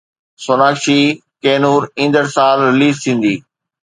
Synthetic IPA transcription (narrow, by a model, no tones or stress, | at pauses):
sonaːkʃikeːnuːɾĩːnd̪əɾsaːlɾɪliːzt̪ʰĩːn̆d̪iː